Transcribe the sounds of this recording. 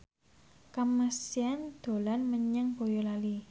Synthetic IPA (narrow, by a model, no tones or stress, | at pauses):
kaməsiand̪̥o̤lanməɲəŋb̥ojolali